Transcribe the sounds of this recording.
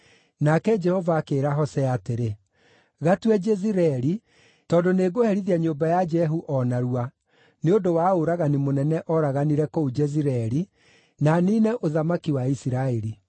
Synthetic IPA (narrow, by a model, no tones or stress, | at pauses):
nakɛd͡ʒɛhɔvaːkeːɾaɦɔsɛateɾe | ɣatwɛd͡ʒɛziɾɛːɾi | tɔːdoneːɡohɛɾiðiaɲoːbajad͡ʒɛɦuʔɔnaɾua | neondowaoɾaɣanimonɛnɛʔɔɾaɣaniɾɛkoud͡ʒɛziɾɛɛɾi | naniːnɛʔoðamakiwaisiɾaeɾi